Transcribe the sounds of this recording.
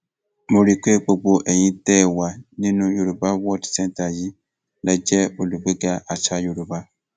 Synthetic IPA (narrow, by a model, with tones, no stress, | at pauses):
mo˨ɾi˨ke˦˨k͡po˨ɡ͡bo˨ʔɛ˨ɲĩ˦tɛː˦˨wa˨nĩ˦nũ˦jo˨ɾu˨ba˦wɔ˦dsɛ̃˦nta˨ji˦ | la˨d͡ʒɛ˦o˨lu˨ɡ͡be˦ɡa˦ʔa˨t͡ʃa˦jo˨ɾu˨ba˦